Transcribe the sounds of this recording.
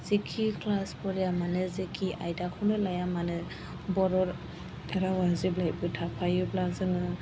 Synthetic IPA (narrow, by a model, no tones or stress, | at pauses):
z̥ikʰikʰlaspɔɾijamanɯzikʰiʔajdakʰɔnɯlajamanɯ | bɔɾɔɾ | ɛɾawaziblaj̚bɯtʰapʰajɯblazɯnɯ